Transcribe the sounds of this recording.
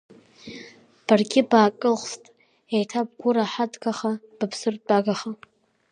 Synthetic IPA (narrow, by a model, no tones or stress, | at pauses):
b̥arɡʲɪbaːkʼɨlχʷstʼ | ejtʰab̚ɡʷʊɾaħadɡaχab̥apʰsɨrʼdaɡaχa